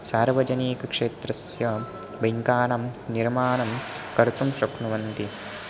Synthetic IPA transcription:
saːɾʋɐd͡ʒɐniːkɐkʂeːt̪ɾɐsjɐ | beŋkaːɳɐmniɾmaːɳɐm | kɐɾt̪umʃɐknuʋɐnt̪i

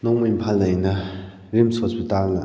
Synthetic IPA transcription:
nɔŋmɐimpʰalɐjnɐ | ɾimsospitalnɐ

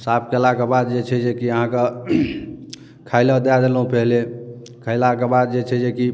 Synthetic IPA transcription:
sap̚ʰkelakebad̪̚d͡ʒet͡ʃʰɛd͡ʒekiəɦãke | kʰajləd̪ad̪elɦũpɛɦle | kʰaɪlakebad̪̚d͡ʒet͡ʃʰɛd͡ʒeki

